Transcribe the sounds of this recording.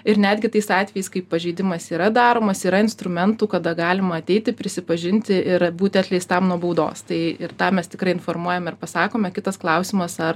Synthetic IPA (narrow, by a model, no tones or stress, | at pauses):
ɪɾnʲæːd̪ʲɡʲɪt̪ɐɪsɑːt̪ʲʋʲɛjɛɪskɐɪppːɐʒʲɛɪd̪ʲɪmɐsiːɾɐd̪ɑːɾoːmɐsiːɾɐɪnst̪ɾʊmʲɛnt̪uːkɐd̪ɐɡɑːlʲɪmɐːt̪ʲɛɪt̪ʲɪpʲɾʲɪsʲɪpɐʒʲɪnʲt̪ʲɪɪɾbuːt̪ʲɑt̪ʲlʲɛɪst̪t̪ɐmnuɔbɐʊd̪o̰ːst̪ɐɪɪrt̪ɑːmʲɛst̪ʲɪkɾɐɪɪnfoːrmuɔjɛmʲɪrpɐsɑːkoːmʲɛkʲɪt̪ɐsklˠɐʊsʲɪmɐsɐr